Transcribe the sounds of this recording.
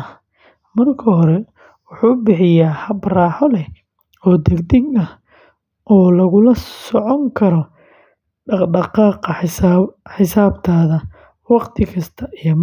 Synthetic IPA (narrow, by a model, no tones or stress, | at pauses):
ɐ | mɐrkʰɐɦɔɾɛ | wʊħuːbɪħɪjaːhɐbraːħɔlɛh | ɔːd̪ɛɡd̪ɪɡɐh | ʔɔːlɐɣʊlɐsɔʕɔŋkʰɐɾɔ | ɖɑɖɑqɑːqɑ | ħɪsaːbt̪ʰaːðɐ | wɑqt̪ʰɪkʰɐst̪ʰɐʔijɐm